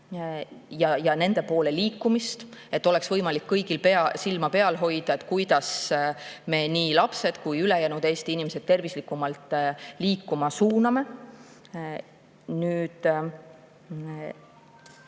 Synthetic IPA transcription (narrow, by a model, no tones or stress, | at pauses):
jɑjɑne̞nd̪̥e̞po̞ːle̞liːkːumist̪e̞t̪ːˑo̞le̞ksvɤjmɑlikːɤjɡ̥ilpeɑsilmɑpe̞ɑlɦo̞jd̪̥ɑe̞t̪ːˑkujd̪̥ɑs | me̞niːlɑpse̞d̪̥kujylejæːnud̪e̞ːst̪iinimesed̥̪̚t̪e̞rvislikːˑumɑlt̪ˑliːkːˑumɑsuːnɑme̞ | nyːd̪̥